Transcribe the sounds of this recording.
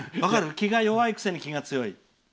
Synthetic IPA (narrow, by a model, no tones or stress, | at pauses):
βakaɾɯ̟kʲiɡajo̞βaikɯ̥seɲikʲiɡat͡sɨjo̞i